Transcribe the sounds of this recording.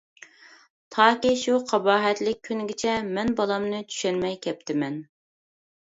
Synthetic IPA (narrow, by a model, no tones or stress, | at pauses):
t̪ʰɑːkʲiʃuqʰɑbɑːɦɛt̪lɪk̚ʲʰːynɡʲɪt͡ʃʰɛmɛnbɑlˠɑmnɨt͡ʃʰy̥ʃɛnmɛjkʲʰɛp̚t̪ʰɪmɛn